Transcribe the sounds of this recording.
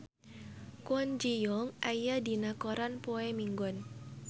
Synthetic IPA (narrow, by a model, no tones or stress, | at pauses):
kwɔnd͡ʒijɔŋʔajadinakɔɾanpoemiŋɡɔn